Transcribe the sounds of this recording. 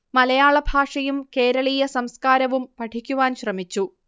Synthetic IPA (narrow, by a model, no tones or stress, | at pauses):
mɐlɐjaːɭɐbʱaːʂɐjumke̞ːɾɐɭijɐsɐmskaːɾɐʋumpɐʈʰikʲːuʋaːnɕrɐmit͡ɕːu